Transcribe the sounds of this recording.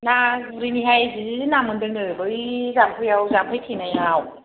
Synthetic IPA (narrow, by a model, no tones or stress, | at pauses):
naɾiniɦajzizizinamɯndɯŋnɯbɯizampʰɯjawzamkʰɯjtʰinajaw